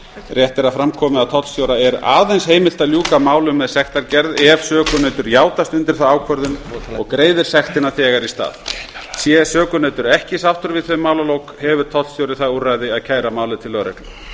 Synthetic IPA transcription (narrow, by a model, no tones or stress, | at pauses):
rjɛht̪ɪɾaðfɾamkʰɔːmɪaðt̪ʰɔt̪sjowɾaɛɾa̰ːðejnsheːjmɪl̥t̪aljuːkamaːwlʏmːɛðsɛxt̪aɾcɛɾðɛv̥sœːkʏnœːt̪ʏɾjaːwt̪ast̪ʏnt̪ɪɾ̥θawaːwkʰvœɾðʏnɔ̰ɣkɾeːjðɪɾ̥sɛxt̪ɪnaθɛːɣaɾist̪a̰ːðsjɛsœːkʏnɛːt̪ʏɾɛhcɪsaft̪ʏɾvɪðθœmaːwlalowkhɛvʏɾ̥t̪ʰɔt̪sjowɾɪθaurajðɪaðcʰaːjɾamaːwlɪt̪ʰɪlːœwɾɛ̰k